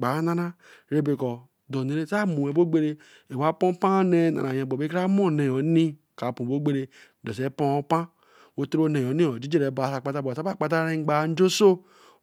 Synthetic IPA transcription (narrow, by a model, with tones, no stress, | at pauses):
ɡ͡ba˨˦na˦na˦ | ɾe˦be˨kɔ˨ | do˨ne˨ɾe˦sa˦mu˨e˨bo˦ɡ͡be˦ɾe˦ | e˨wa˦po˦pã˦ne˦na̰˨na˨je˨bo˨be˦ɾa˦mo˦˨ne˨o˨˦ni˦ | ka˨pũ˨o˦ɡ͡be˦ɾe˦ | do˨se˦po˦o˦pã˦ | wo˦tɾo˦ne˨o˨˦ni˦o˨d͡ʒi˦d͡ʒe˦ɾe˨bo˨a˨sa˨k͡pa˦ta˦bo˨sa˦a˦˨k͡pa˦t̬a˦ɾe˦ŋ͡mɡ͡ba˨˦n̩˦d͡ʒo˦so˦